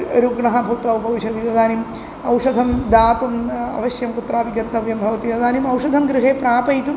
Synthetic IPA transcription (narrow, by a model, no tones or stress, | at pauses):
oɾuɡɳɐɦɐbʱut̪ʋɐʋbʱɐʋiʃɐd̪it̪ɐd̪aːnim | ɐwʂɐd̪ʱɐmd̪aːt̪umɐ̰ʋɐɕjɐmkut̪ɾaːbiɡɐt̪nɐʋjɐmbʱɐʋɐt̪it̪ɐd̪aːnimɐwʂɐd̪ʱɐmɡɾɨɦeːpɾaːpɐjt̪um